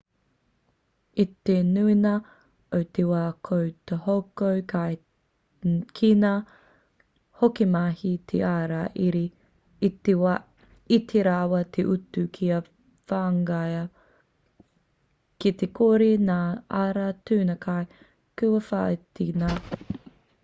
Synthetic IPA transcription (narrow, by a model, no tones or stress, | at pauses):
it̪enuinɐ | owtewaːkʰowt̪ehowkowkʰaj | kʰinaː | hokimahit̪ʰeaːɾaʔiɾiː | tewa | it̪ʰeɾawɐt̪ʰeʔutukʰiɐ | faːŋɡajɐ | kit̪ekʰoːɾinaːaːɾatʉːnɐkaj | kuwɐfa̰tina